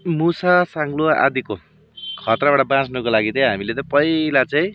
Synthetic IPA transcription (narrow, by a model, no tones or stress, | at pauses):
musasaŋɡlua̰d̪iko | kʰʌt̪rabaʈabãt͡snʌkolaɡit̪ʌj̃ɦamilet̪ʌpʌilat͡saĩ